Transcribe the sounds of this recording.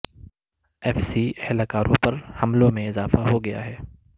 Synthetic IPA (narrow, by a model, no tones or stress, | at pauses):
ɛːfsiːɛhlakaːɾʔõpɐɾhɐmlõmẽɪzaːfaɦoɡɐja̰ɦɛː